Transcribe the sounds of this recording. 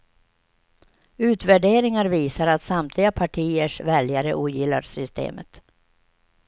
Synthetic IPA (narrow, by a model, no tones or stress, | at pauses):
ʉ̟ːt̪væɖeːɾɪŋaɾviːsaɾat̪samt̪ʰlɪɡapʰaʈʰiːəʂvɛljaɾə̰ʔuːjɪlːa̰ɾsʏst̪ʰḛːmət̪